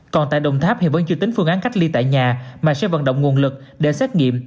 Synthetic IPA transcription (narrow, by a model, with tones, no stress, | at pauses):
kɔ˨˩nt̪a̰ː˧˨jɗə˨˩wŋ͡mt̪ʰaː˦˥p̚hi˨˧˩vəː˨˧˦t͡ɕi˧t̪ï˨˦ŋ̟fɨ˧ŋʔaː˨˦nka˦˥k̟̚li˧t̪a̰ː˧˨jɲaː˨˩maː˨˩sɛ˧˥va̰˧˨nɗə̰˧˨wŋ͡mŋu˨˩ənlɨ˨˩k̚ɗe˧˩sɛː˦˥t̚ŋḭ˧˨əm